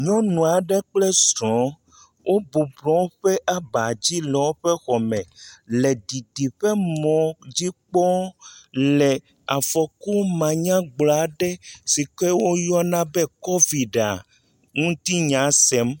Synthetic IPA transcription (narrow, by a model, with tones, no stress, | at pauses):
ɲɔ̃˦nũ˨a˨ɖɛ˦k͡plɛ˦sɾɔ̃˨˦ | wʔo˦bu˨blɔ̃˨˦wo˦ɸɛ˦ʔa˦ba˨d͡ʑi˦lɛ˨wo˦ɸe˦xɔ˨mɛ̃˨le˨di˨di˨ɸɛ˦mɔ̃˨d͡ʑi˦k͡pɔ˦ | lɛ˨ | a˨fɔ˨ku˦mã˨ɲã˦ɡ͡blɔ˨a˨ɖɛ˦si˨kɛ˦wo˦jɔ˦nã˦bɛ˦kɔ˦vi˨ɖa̰˨ | ŋũ˦t̪i˦ɲã˨˦sɛ˦m